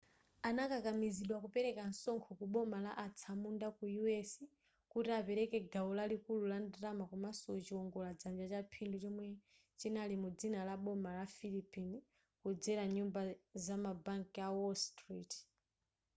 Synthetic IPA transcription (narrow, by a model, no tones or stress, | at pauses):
anakakamiziɗwakupɛɾɛkan̩sɔŋkʰɔkuɓɔmalaʔat͡sʰamundakujuɛsi | kutiapɛɾɛkɛɡaɔlalikululandɾamakumasɔt͡ʃiɔŋɡɔlad͡zand͡ʒat͡ʃapʰindut͡ʃɔmwɛ | t͡ʃinalimud͡zinalaɓɔmalafilipini | kud͡zɛɾaɲumbazamabaŋkiawɔlstɾit